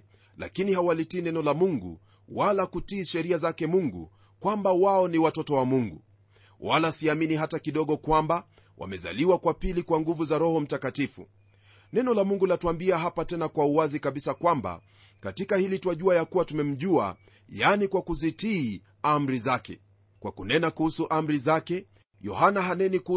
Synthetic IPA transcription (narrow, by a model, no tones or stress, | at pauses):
la̰kinihawalitiːnɛnɔlamuŋɡṵ | walakutiːʃɛɾiazakɛmuŋɡṵ | kwambawaɔniwatɔtɔwamuŋɡu | walasiaminiɦatakiɗɔɠɔkwamba | wʔa̰mɛza̰liwakwapilikwaŋɡuvuzaɾɔhɔm̩takatifṵ | nɛnɔlamuŋɡulatuambiaɦapatɛnakwauwazikaɓisakwamba̰ | katikahilitwaʄuajakuwatumɛm̩ʄua̰ | janikwakuzitiː | am̩ɾizakɛ̰ | kwakunɛnakuhusuʔam̩ɾizakɛ | jɔ̰hanaɦanɛnik